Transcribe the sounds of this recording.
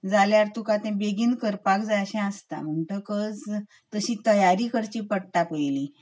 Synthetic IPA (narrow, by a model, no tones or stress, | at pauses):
d͡zaljaɾt̪ukat̪ɛ̃beɡiːnkəɾpakd͡zajəɕɛ̃ast̪a̰m̤əɳʈəkəd͡z | t̪əɕĩt̪əjaɾiːkəɾt͡ɕiːpəɽʈapəjli